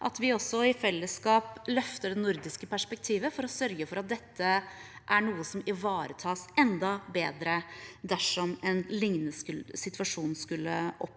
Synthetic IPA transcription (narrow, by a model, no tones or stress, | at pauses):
ʔɑt̪ʋɪɔsɔɪfɛlːəskɑːplœft̪əɖɛnʊɾd̪ɪskəpʰæʂpɛk̚t̪ʰiːʋəfɔɾɔsœɾɡəfɔɾɑt̪̚d̪ɛt̪ʰːəʔæɳuːəsɔmɪʋɑːɾət̪ʰɑːsɛnd̪ɑbeːd̪ɾəd̪æʂɔmɛnlɪŋnəskʉlsɪt̪ʋɑʂuːnskʉlːəʔɔp